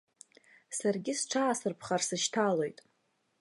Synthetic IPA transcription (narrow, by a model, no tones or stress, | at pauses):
sarɡʲɪsʈ͡ʂʰaːsɨrpʰχarsɨʃtʰalo̞jtʼ